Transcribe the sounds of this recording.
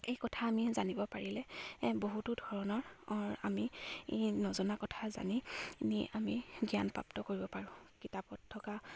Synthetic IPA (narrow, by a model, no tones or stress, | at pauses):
ejkɔtʰaːmizanibɔpaɹilɛboɦutudʱɔɹɔnɔɹɔɹa̰mi | nɔzɔnakɔtʰaza̰niniʔamiɡijanpɹa̰ptɔkoɹibɔpaɹʊ̃kitapɔtʰːɔka